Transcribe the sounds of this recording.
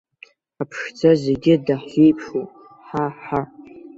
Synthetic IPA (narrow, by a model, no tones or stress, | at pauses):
apʰʂd͡zaze̞ɡʲɪdaħejpʰʂu | ħaħa